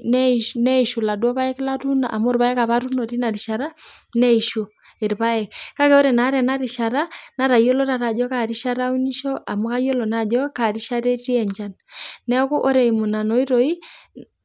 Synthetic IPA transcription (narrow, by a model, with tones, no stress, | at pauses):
nɛ˦nɛ˦˨ʃu˨la˨dwɔ˦βa˦ɛ˦kla˦tu˦naa̰˨mo˦ɾβa˦jɛ˦ka˨βa˦ɾu˦no˨ti˦na˨ɾi˨ʃa˨ɾa˦nɛ˦i˨ʃo˨ | e˨ɾpa˦ɛ˨kka˦kɛ˦o˦ɾɛ˨na˨˦ɾɛ˨na˦ɾi˨ʃa˨ɾa˦na˦ɾa˨jo˦lɔ˦ta˨ɾa˨d͡ʒɔ˦ka˨ɾi˦ʃa˦ɾa˦u˦ɲi˦ʃɔ˦ʔa˨mu˦ka˦jo˦lɔ˨na˨d͡ʒɔ˦ka˨ɾi˦ʃa˦ɾe˦ti˦ɛ˨ɲd͡ʒa˦nːɛ˦ɔ˦ko˦ʔo˦ɾɛ˨i˨mu˨na˨nɔ˨i˦ɾo˨i˦